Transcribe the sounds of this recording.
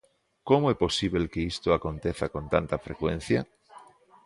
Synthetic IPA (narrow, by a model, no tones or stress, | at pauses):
komoepo̞siβ̞elkeist̪oakõ̞nt̪eθakõ̞nt̪ant̪afɾḛkwen̟θja